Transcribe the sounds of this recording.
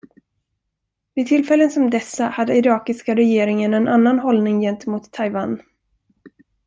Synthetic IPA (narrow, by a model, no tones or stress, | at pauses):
vɪt̪ʰɪlfɛlːənsɔmd̪ɛsːahad̪ːəɪɾɑːkɪskaɾɛjeːɾɪŋənɛnʔanːanɦɔlnɪŋjɛnt̪əmuːt̪ʰːajva̰ːn